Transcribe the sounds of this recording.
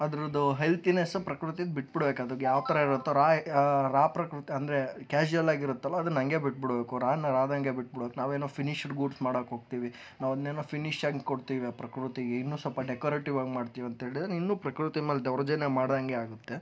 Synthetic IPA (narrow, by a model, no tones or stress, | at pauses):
ɐd̪ɐɾud̪uɦelt̪inesɐpɾɐkɾut̪̬id̪biʈ̚biɽbeːkɐd̪uɡjaːʋt̪ɐɾɐiɾut̪ːoɾaːɾaːpɾɐkɾut̪iɐnd̪ɾekaːd͡ʒuɐlaːɡiɾut̪ːɐlːɐːd̪unɐŋɡe̞biʈ̚biɽbeːkuɾaːɐnːɐɾaːd̪ɐŋɡebiʈ̚biɽbeːknaːʋeːnoːpʰiniʃʈɡuːɖsmaːɽokɦoːɡ̚t̪iːʋi | naːʋɐd̪neːnoːpʰiniʃaɡɡkoɽt̪iːʋiɐpɾɐkɾut̪iɡeinːuːsɔlpɐɖekoːɾeːʈiʋaːɡmaːɖt̪iːʋuɐnt̪ɦeːɭid̪ɾinːuːpɾɐkɾut̪imeːld̪ɐʋɾɐd͡ʒɐnemaːɽd̪ɐŋɡeaːɡut̪ːe